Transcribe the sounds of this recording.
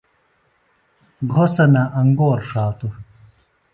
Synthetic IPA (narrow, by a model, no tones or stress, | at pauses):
ɡʱosɐnɐʔɐŋɡoːɾʂaːt̪u